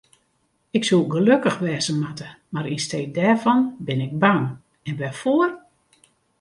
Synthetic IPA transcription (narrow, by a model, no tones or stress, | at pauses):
ɪksulɡəløkəxʋɛːzənmatə | maɾistej̚dɛːrvɑnbɪnɪɡ̚baŋ | ɛnʋɛfoər